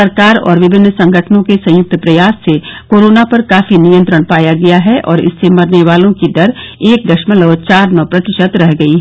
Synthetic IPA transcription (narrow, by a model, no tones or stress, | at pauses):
ɐɾkaːɾɔ̰ːɾʋɪbʱɪnːsɐ̃ŋɡʱəʈʰnõkesɐ̃jʊk̚t̪pɾɐjaːsːekoːɾoːnapɐɾkaːfinijə̃nt̪ɾəɽ̃paːjaɡɐjaɦɛʔʔɔːɾɪ̰sːemɐɾneʋaːlõkid̪ɐɾeːk̚d̪ɐʃməlɐʋt͡ʃaːɾnɔpɾɐt̪ɪʃət̪ɾɛɦɡɐiɦɛː